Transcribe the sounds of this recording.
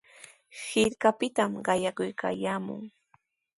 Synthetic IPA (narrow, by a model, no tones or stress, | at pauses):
hɪɾkapɪt̪amɢɑjakʊjka̰ːjaːmʊ̰ŋ